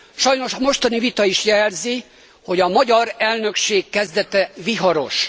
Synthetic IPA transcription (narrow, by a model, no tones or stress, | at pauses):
ʃɒjno̞ʃɒmo̞ʃt̪ɒnivit̪ɒiʃjɛlzi | ho̞ɟɒmɒɟɒɾɛlnø̞kʃeːkːɛzd̪ɛt̪ɛviɦɒɾo̞ʃ